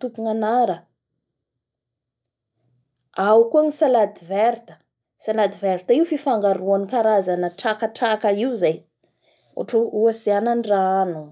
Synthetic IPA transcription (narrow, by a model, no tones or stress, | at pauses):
t̪upuŋanaɾə | awkuaɲisalad̪iveɾt̪ə̥ | salad̪ivɛɾt̪aiufifaŋɡaɾuanikaɾazanəʈ͡ʂakaʈ͡ʂakaiwzaj | ṵʈ͡ʂuuasiananɖ͡ʐanu